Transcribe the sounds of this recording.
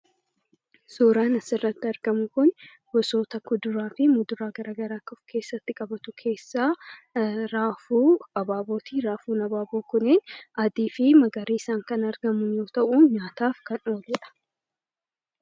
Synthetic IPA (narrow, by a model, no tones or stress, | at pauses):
suːɾaːnɐsɪrːɐt̪ːɪɐɾɡɐmʊkʊn | bɔso̞ːt̪ɐkʊd̪ʊɾaːfɪmʊd̪ʊɾaːɡɐɾaːɡɐɾaːkɐfkʰe̞ːsːɐt̪ːɪkʼɐbɐt̪ʊkʰe̞ːsːaː | ɾaːfuːɐbaːboːt̪iːɾaːfuːnɐbaːboːkʊneːnʔɐd̪iːfɪmɐɡɐɾiːɪsaːŋkɐnɐɾɡɐmʊjo̞ːt̪ɐʔuːɲaːt̪aːfkɐno̞ːlɛᶑɐ̥